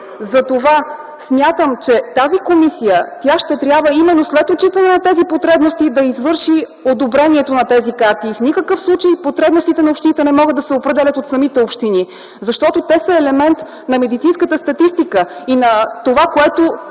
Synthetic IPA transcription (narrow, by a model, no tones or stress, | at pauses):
zɐt̪ova | smʲjat̪əmt͡ʃɛt̪azikomisijət̪ʲjaʃt̪ɛt̪ɾʲjabvəimɛnːoslɛt̪ot͡ʃit̪ənɛnɐt̪ɛzipot̪ɾɛbnost̪id̪ɐizvɤɾʃi | od̪obɾɛniɛt̪onɐt̪ɛzikaɾt̪ifnikəkɤfslˠut͡ʃəjpot̪ɾɛbnost̪it̪ɛnɐopʃt̪init̪ɛnɛmɔɡɤd̪ːɐsɛopɾɛd̪ɛlʲət̪ot̪sɐmit̪ɛopʃt̪ini | zɐʃt̪ɔt̪ot̪ɛsɐɛlɛmɛnt̪ | nɐmɛd̪it̪sinskət̪əst̪ɐt̪ist̪ikəinɐt̪ovakoɛt̪o